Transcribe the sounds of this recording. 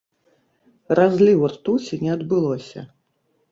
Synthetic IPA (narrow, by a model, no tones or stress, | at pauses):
razlʲiwart̪usʲinʲɛɐd̪bɨlˠɔsʲɐ̰